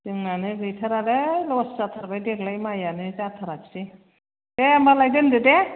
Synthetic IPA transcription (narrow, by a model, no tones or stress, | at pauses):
tɯŋnanɯɡɯjtʰaɾadalɔszatʰaɾbajdeklajmajanɯzatʰaɾaksi | dembalajdɯndɯde